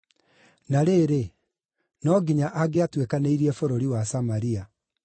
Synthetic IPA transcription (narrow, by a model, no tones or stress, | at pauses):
naɾeːɾe | nɔɡiɲaʔaɡeatwekaneiɾiɛfoɾoɾiwasamaɾia